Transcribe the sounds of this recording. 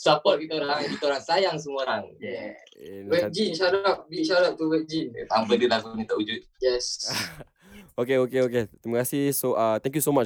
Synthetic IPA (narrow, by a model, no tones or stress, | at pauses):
sapɔt̚bit̪oɾaŋkit̪oɾaŋsajaŋs̬əmuoɾaŋɛ | wɛd͡ʒinʃaɾap̚biʃaɾap̚t̪uwɛk̚d͡ʒint̪ampədəlakunĩt̪aʔud͡ʒut̪̚jɛs | okeokeoket̪ɾiməkasihsoʔat̪ɛ̃ŋkjusomat͡ʃ